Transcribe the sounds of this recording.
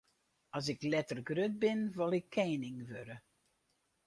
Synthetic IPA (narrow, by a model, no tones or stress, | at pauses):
ɔs̬ɪklɛtərɡrøt̚bɪnʋɔlˠɪkʰːeːnɪŋʋøɾə